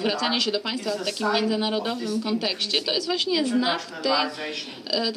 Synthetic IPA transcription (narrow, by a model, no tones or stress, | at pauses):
vɾat̪saɲɛɕɛd̪ɔpãj̃st̪faft̪akʲimʲːjɛndzɘnaɾɔd̪ɔvɘmkɔnt̪ɛkɕt͡ɕɛt̪ɔjɛst̪vwaɕɲɛznakt̪ɛj | t̪